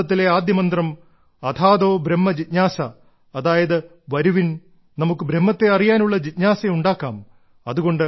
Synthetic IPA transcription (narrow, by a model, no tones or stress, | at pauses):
ɐt̪̬ːile̞aːd̪jɐmɐnd̪rɐm | ɐt̪ʰaːd̪o̞ːbɾemːɐd͡ʑit̪ɲaːsɐː | ðaːjɐðɨ | ʋɐɾuʋin | nɐmukːɨbʱɾemːɐt̪ːe̞ɐrijaːnuɭːɐd͡ʑit̪̚ɲaːsɐuɳɖaːkːaːm | ɐðuɣo̞ɳɖɨ